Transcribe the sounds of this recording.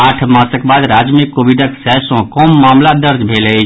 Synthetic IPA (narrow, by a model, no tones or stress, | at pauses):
aʈʰmãsəkbad̪ɾad͡ʒmikːobiɖəksɛsɔ̃kɔmːamlad̪əɾd͡ʒbʱelə